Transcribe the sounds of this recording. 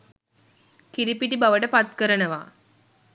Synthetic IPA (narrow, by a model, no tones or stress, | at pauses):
kiɾipiʈibaʋəʈəpat̪kəɾənəʋa̰ː